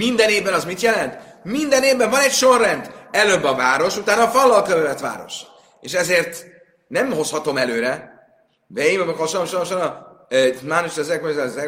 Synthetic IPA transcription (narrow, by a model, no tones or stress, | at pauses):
mind̪ɛneːvbɛnɒzmit̪jɛlɛnt̪mind̪ɛneːvbɛɱvɒnɛcʃo̞rːɛnd̪ɛløːbːɒvaːɾo̞ʃut̪aːnɒːfɒlːɒlkøvɛvɛt̪ʋa̰ːɾo̞̰ʃ | eːʃɛzeːrt̪ | nɛmho̞shɒt̪o̞mɛløːɾɛ | bɛimɒbkɒʃomʃolmʃɒnɒ | maːnoʃɛzɛkozɛzɛ